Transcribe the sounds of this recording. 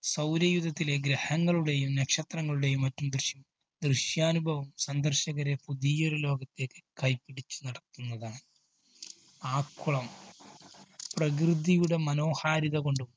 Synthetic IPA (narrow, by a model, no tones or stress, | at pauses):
sɐwɾjɐjud̪ɐt̪ːileɡɾehɐŋːɐɭuɽe̞jumnɐkʂɐt̪rɐŋːɐɭuɽe̞jumːɐtːumd̪rɨɕjɐm | d̪rɨɕjaːnubʱɐʋɐmsɐnd̪ɐrɕɐɣɐɾe̞puðijoɾulo̞ːɡɐt̪ːe̞ːkːɨ̥kɐjpːiɽit͡ɕːu̥nɐɽɐt̪ːunːɐðaːnɨ | aːkːuɭɐm | prɐk̬rɨd̪ijuɽe̞mɐno̞ːhaːɾiðɐko̞ɳɖum